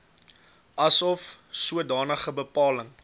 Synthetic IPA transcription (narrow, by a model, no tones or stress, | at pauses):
ʔɐsɔfsuədɑːnəχəbəpɑːləŋ